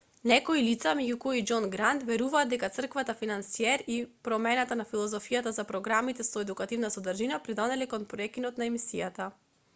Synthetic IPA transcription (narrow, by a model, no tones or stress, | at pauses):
nɛkoilit̪samɛɟukɔid͡ʒɔnɡɾant̪vɛɾuvaːd̪d̪ɛkat̪sr̩kvat̪afinansiɛɾipɾɔmɛnat̪anafilˠɔzɔfijat̪azapɾɔɡɾamit̪ɛsɔɛd̪ukat̪ivnasɔd̪rʒinapɾid̪ɔnɛlɛkɔnpɾɔɛkinɔt̪naɛmisijat̪a